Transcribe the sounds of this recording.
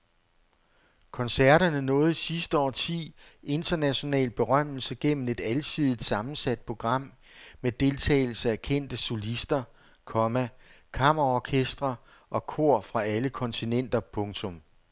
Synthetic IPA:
kʰɒ̽nsæɐɾɐnənɔ̽ːð̞̩ˠsisd̥əɒ̰ːt͡sʰḭːe̝nd̥ɐnæɕo̝nɛ̰ːlb̥e̝ʁɶm̰l̩səɡ̥en̰m̩e̝d̥ælsiðˠid̥sɑ̈mn̩sæd̥̚pʰo̝ɡ̥ʁɑ̈m̰ | med̥e̝lt͡sʰɛ̰ːɪl̩səækʰen̰d̥əso̝lisd̥ɐ | kʰɒ̽mæ | kʰɑ̈mɐʁɒkʰesd̥ʁɐ | ʔɒ̽kʰo̝ɐ̰fʁɑ̈æləkʰɒ̽nt͡sʰinen̰d̥ɐpʰɔ̽ŋt͡sʰɔ̽m

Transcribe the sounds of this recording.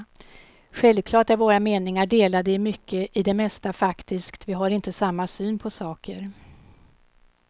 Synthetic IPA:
ɧɛlvkʰlɑːʈɛɾvoːɾameːnɪŋaɖeːlad̪əɪmʏkʰːəʔɪd̪ɛmɛst̪afakt̪ʰɪskt̪vɪɦaɾɪnt̪əsamːasyːnpʰɔsɑːkʰəɾ

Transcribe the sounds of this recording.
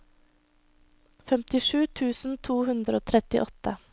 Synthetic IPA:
fɛmt̪ɪʂʉːt̪ʰʉːsn̩t̪ʰuːhʉnd̪ɾəoːt̪ʰɾɛt̪ɪ̰ʔɔt̪ə

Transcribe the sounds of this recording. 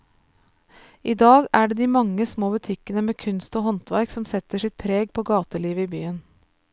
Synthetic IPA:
ʔiːd̪ɑːɡæːɖeːd̪iːmɑŋːəsmoːbʉt̪ʰɪkənəmeːkʰʉnst̪oːhɔnt̪ʋæɾksɔmsɛt̪əʂɪt̪̚pʰɾeːɡ̚pʰoːɡɑːt̪əliːʋəiːby̰ːən

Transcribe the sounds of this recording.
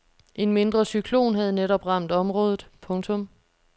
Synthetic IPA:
ʔe̝nme̝nd̥ʁɐsykʰlo̝̰ːnɦæð̞̩ˠneɾɒ̽b̥ʁɑ̈m̰d̥ɒ̽mʁɔ̽ːð̞ˠð̩ˠpʰɔ̽ŋt͡sʰɔ̽m

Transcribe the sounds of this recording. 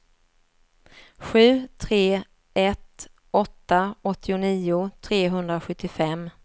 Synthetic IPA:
ɧʉ̟ːt̪ʰɾeː | ɛt̪ | ɔt̪ːaɔt̪ːɪʊniːʊt̪ʰɾeːɦɵnd̪ɾaɧɵt̪ːɪfɛmː

